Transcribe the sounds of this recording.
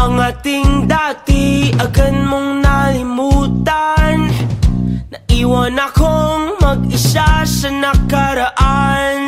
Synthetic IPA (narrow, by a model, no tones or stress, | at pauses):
ʔɐŋat̪ɪŋd̪at̪iɐkənmoŋnalɪmut̪an | nɐʔiwanakoŋmɐɡ̚ɪsasɐnɐkaɾaʔan